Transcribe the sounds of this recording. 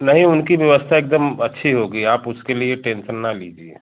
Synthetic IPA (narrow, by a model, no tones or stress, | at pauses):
nɐɦĩʊnkiʋjɐʋəst̪ʰaeːk̚d̪əmɐtːʃʰiɦoɡəiaːpʊskelieʈẽːnsənːaliːd͡ʒieː